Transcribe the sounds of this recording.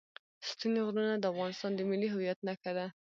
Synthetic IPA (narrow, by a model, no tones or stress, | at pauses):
st̪uneɣɾunad̪əafɣɑnɪst̪ɑnd̪əmɪliɦʊwjat̪nakad̪a